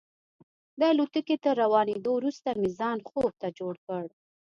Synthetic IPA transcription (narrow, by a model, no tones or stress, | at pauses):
d̪əalut̪əket̪əɾːawɑned̪owɾust̪amizɑnxob̚t̪ad͡ʒoɽkəɽ